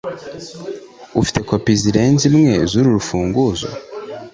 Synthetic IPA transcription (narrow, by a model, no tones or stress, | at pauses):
ufi̥te̞kopiziɾe̞nzimŋe̞zuɾuɾufuːŋɡuzo̰